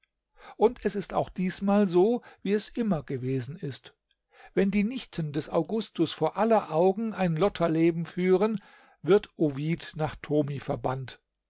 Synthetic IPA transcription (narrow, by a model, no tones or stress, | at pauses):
ʔʊntɛsɪsta̰ʊxd̥iːsmaːlzoːviːɛsʔɪmɐɡ̥əveːzn̩ɪst | vɛndiːnɪçtʰəndɛsa̰ʊɡʊstʊsfoːɐʔalɐʔaʊɡŋ̩aɪnlɔtʰɐleːbm̩fyːʁ̞ən | vɪɐtʔoviːtnaːχtʰoːmifɛɐbant